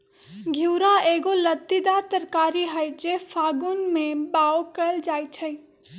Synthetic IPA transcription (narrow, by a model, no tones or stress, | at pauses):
ɡʱiwɾaeːɡolət̪ːid̪aɾt̪əɾkaːɾiɦəjd͡ʒefʰaːɡunmẽbaːokəld͡ʒaːjt͡ʃʰəj